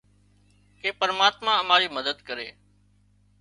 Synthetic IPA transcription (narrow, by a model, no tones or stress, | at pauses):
keːpəɾmaːt̪mãːəmaːɾiːməd̪əd̪kəɾeː